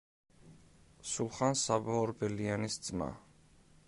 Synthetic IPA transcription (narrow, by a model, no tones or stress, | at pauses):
sulχansabaɔɾbɛlianisd̪z̥ma̰